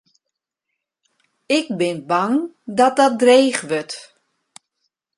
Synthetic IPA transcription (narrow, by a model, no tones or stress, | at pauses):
ɪk̚bɪnbaŋ | dɔt̚dɔt̚dreːχʋøt